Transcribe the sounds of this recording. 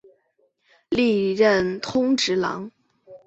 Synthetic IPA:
li˥˧ɻə˥˩nt̪ʰʊ˥ŋʈ͡ʂɻ̩˧˥lɑ̰˧˥ŋ

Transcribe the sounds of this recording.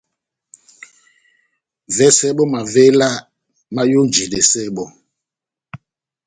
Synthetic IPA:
vɛ˦sɛ˦ɓɔ˦ma˨ve˦la˦ | ma˦jo˦nd͡ʒi˨de˨sɛ˦ɓɔ˨

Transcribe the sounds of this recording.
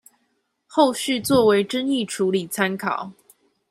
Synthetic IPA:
xo˥˧ʊɕy˥˧t͡swɔ˥˩we˧˥ɪʈ͡ʂə˥ŋi˥˩ʈ͡ʂʰu˨˧˥li˨˩t͡sʰa˥nkʰɑ˨˩˦ʊ

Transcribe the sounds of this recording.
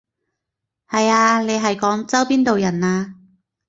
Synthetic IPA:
hɐ˨jaː˧le˨˧jɦɐ˨jkɔː˨˥ŋt͡sɐ˥wpiː˥nt̪o˨wjɐ˨˩naː˧

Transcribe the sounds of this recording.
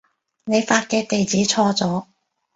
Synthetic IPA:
ne˨˧jfaː˧t̚kɛː˧t̪e˨jt͡siː˨˥t͡sʰɔː˧t͡sɔː˨˥

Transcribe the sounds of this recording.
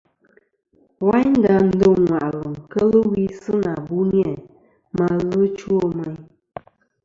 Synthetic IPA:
wa˦ɲ˦n̩˦da˨n̩˦do˦˨ŋŋwa˨ʔɣə˨ŋ˨kə˦lɨ˦wi˦sɨ˦na˨bu˦njɛ˦˨ | ma˦ɣɨ˦t͡ʃu˦o˦mə˦ɲ

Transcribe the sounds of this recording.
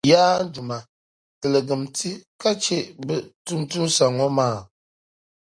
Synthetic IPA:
jaː˦n̩˦du˨ma˨ | tə˨lə˨ɡə˨mti˦ka˦t͡ʃe˦ʔbə˦˨tu˦ŋtu˦nsa˨ŋɔ˦maː˦˨

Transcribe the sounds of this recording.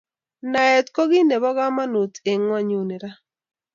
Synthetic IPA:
na˨ɛ˨t̪kɔ˦ɡɪ˦ne˨bɔ˦ɣa˦ma˦nu˨t̪e˨ŋwa˦ɲu˨ni˨ɾa˦

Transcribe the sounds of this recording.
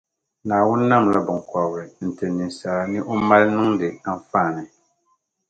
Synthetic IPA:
naː˨wʊ˦nː˦a˦˨mla˦bɨ˨ŋkɔ˨ɾɨ˨n̩˨tɨ˨ni˨n˨sa˨la˦nɨ˦ʔo˦ma˦lnɨ˦ŋdɨ˨a˦ɱ˦faː˦˨nɨ˨

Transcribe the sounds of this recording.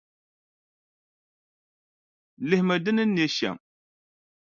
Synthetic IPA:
li˨hma˨də˦nə˦nːe˨˦ʃa̰˨ŋ

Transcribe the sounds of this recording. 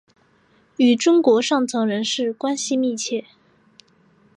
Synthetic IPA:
y˨˩ʈ͡ʂʊ˥ŋkwɔ˧˥ʂɑ˥˩ŋt͡sʰɤ˧˥ŋɻə˧˥nʂɻ̩˥˩kwa˥nɕi˧mi˥˧t͡ɕʰjɛ˥˩

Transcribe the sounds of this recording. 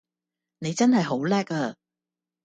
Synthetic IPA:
ne˨˧jt͡sɐ˥nɦɐ˨jɦo˨˥wlɛː˥kɐː˧

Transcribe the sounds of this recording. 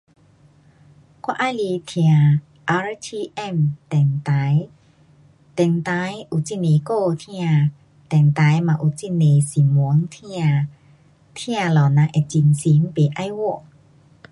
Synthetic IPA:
kwa˧ʔa˧˨li˧t̪ʰi˧a˨ | ʔa˧ɹt̪ʰi˧ʔɛ˥˨mt̪ɛ˨˩ŋt̪a˨˦j | t̪ɛ˨ŋt̪a˧˦jʔu˧˨t͡ɕi˥˨ne˨ko˥˧t̪ʰi˦˧a˨˧˨ | t̪ɛ˨˩ŋt̪a˨˦jma˧˨ʔu˧˨t͡si˥˨ne˨si˨mu˨˦ŋt̪ʰi˧˥a˧˨ | t̪ʰĩ˦a˧lɔ˨na˧ʔɛ˨t͡ɕi˧˨ŋsi˨˦mpe˨ʔa˧jwɔ˥˧˩ʔ

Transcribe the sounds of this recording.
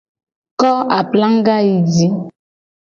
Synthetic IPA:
kɔ˦a˨pla˦ŋ˦ɡa˦i˨di˦

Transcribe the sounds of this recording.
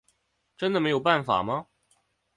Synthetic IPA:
ʈ͡ʂə˥nd̪ə˨me˧˥ɪjo˨˩ʊpa˥˩nfa̰˨˩mɐ˦

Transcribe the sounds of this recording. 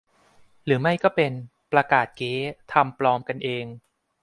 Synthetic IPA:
ɾɯː˩˦ma˥˩jkɔː˥˩pe˧n | pɾa˧kaː˨˩t̪̚keː˦˥t̪ʰa˧mplɔː˧mka˧nʔeː˧ŋ

